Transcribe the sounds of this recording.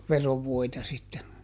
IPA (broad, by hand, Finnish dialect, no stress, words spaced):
ʋeroʋːoitɑ sitːen